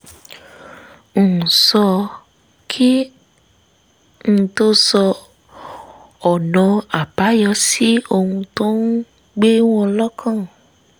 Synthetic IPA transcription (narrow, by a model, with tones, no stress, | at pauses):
n̩˨sɔ˧ | kʰi˦ | n̩˦˧˨to˦sɔ˧ | ɔ˨nɔ̃˨˧a˨b̥a˨˦jɔ˧˦si˦o˧hũ˧to˦n̩˦ | ɡ͡be˦w̃ɔ̃˦lɔ˦kʰã˦˨